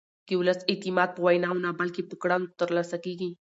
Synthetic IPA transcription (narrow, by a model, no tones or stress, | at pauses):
kiʊləsɪt̪imaːd̪̚pəwajnaunabɐlkip̪ʊkɽant̪əɾlasakiɡi